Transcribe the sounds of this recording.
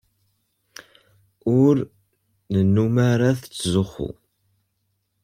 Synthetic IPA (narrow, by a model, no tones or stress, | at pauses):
ʊɾ | nənːumaɾaθt͡sːzʊχṵ